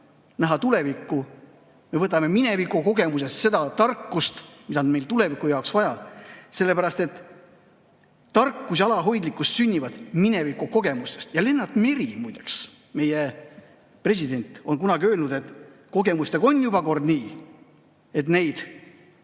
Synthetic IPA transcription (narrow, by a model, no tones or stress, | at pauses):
næɦɑt̪ule̞vikːu | me̞vɤt̪ːˑɑme̞mine̞vikuko̞ɡe̞mus̬e̞st̪se̞d̪ɑt̪ɑrkːust̪mid̪̥ɑnme̞jlt̪ule̞vikːˑujɑoksvɑjɑse̞lːe̞pæɾɑst̪e̞t̪ | ɑrkːus̬ɑlɑɦo̞jd̪likːˑust̪synʲːivɑd̪̥mine̞vikuko̞ɡ̥e̞must̪e̞̥st̪jɑle̞nːɑt̪ːˑmeɾimujd̪eks | me̞je | pre̞s̬ʲid̪e̞nʲt̪ˑo̞nkunɑɡiø̞ːlnud̪̥e̞t̪ko̞ɡe̞must̪eɡ̥o̞njubɑko̞rd̪niː | e̞t̪ne̞jd̪̥